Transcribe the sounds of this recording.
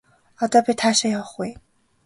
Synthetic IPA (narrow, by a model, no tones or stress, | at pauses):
at̪apit̪ʰaʂəjɑʊxweɪ